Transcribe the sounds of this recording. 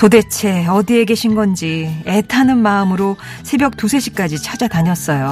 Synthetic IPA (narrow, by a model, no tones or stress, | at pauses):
tode̞t͡ɕʰe̞ʌdie̞ɡe̞ɕʰinɡʌnd͡ʑie̞tʰanɯnmaɯmɯɾo | sʰe̞bjʌk̚t͈usʰe̞ɕʰik͈ad͡ʑit͡ɕʰad͡ʑataɲʌs͈ʌjo